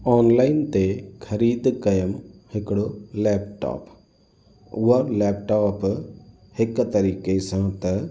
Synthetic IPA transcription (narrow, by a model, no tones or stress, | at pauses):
ɔːnlaːɪnt̪ekʰɐɾiːd̪kɐjəmhɪkɽoleːp̚ʈa̰ːp | ʊʋəɾlɛːp̚ʈaːp | hɪkːt̪ɐɾiːkesãt̪ɐ